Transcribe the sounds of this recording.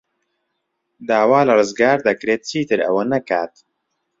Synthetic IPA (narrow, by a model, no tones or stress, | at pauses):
d̪aːwaːlɨrɨzɡaːɾd̪ɐkɾeːt̪̚t͡ʃʰiːt̪ɨɾɐ̰wɐnɐkaːt̪